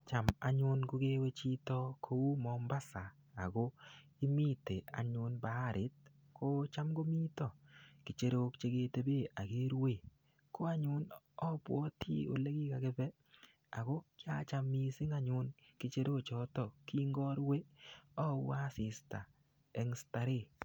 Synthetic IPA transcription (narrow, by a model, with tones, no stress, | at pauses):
t͡ʃa˨ma̰˨ɲʊ˦nɡo˦ɡe˦we˦t͡ʃi˦tɔ˦kʰo˦wu˦mɔ˨mba˦sa̰ː˨ | ɡo˦i˦mi˦te˨a̰˨ɲʊ˨˦nba˦ɾʔɪ˨˦t̚ | kʰo˦t͡ʃa˦mɡo˦mi˦tɔ˦˨kɪ˨t͡ʃe˦ɾo˦kt͡ʃe˦ɡe˦te˨be˦˨a˨ɡe˦ɾwe˨ | ko˦a˦ɲʊ˦n | ɔ˦pwɔ˦tḭ˦o̰˨le˦ɡi˦ka˨ke˦bɛ˦ | a̰˨ɡo˦kɪ˦a˦t͡ʃa˨mi˨sɪ˦ŋa˦ɲʊ˦nkɪ˨t͡ʃe˦ɾo˦˨t͡ʃɔ˨˦tɔ˦˨ki˦ŋɡɔ˦ɾwe˦ɔ˦wa˦sɪ˨sta˨ | ɛ˨˦ŋsta˨ɾɪ˦˨